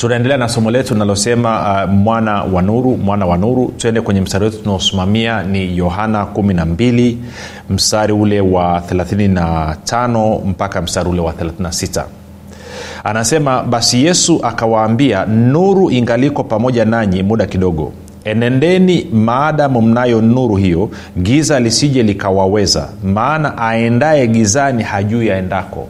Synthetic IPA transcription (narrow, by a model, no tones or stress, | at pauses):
tunaɛndɛlɛanasɔmɔlɛtunalɔsɛmamwanawanuɾumwanawanuɾutuɛndɛkwɛɲɛm̩saɾiwɛtu̥tunaɔsimamianijɔɦanakuminambili | m̩saɾiulɛwaθɛlaθininatʰanɔm̩pakam̩saɾiulɛwaθɛlaθininasita̰ | anasɛmaɓasijɛsuʔakawaːmbianuɾuʔiŋɡalikɔpamɔʄanaɲimuɗakiɗɔɠɔ̰ | ɛnɛndɛnimaːɗamum̩najɔnuɾuhijɔ | ɡizalisiʄɛlikawawɛza̰maːnaʔaɛndaɛɡizanihaʄuiaɛndakɔ̰